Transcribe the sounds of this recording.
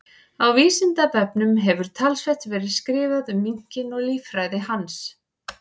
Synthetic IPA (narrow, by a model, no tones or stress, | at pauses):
awviːsɪnt̪apɛpnʏmɦɛvʏɾ̥t̪ʰalsvɛht̪vɛːɾɪðskɾɪːvaðʏmːiɲ̥cɪnɔɣliːfɾajðɪɦans